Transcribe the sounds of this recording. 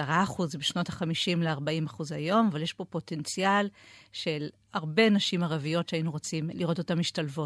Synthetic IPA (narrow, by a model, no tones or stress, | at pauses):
aʁaχuzbeʃno̞taχamiʃimleaʁbaimaχuzhajo̞mavaljeʃbo̞po̞te̞nt͡sijalʃe̞l | aʁbe̞naʃimaʁavijo̞tʃeainuʁo̞t͡simliʁo̞to̞tamiʃtalvo̞t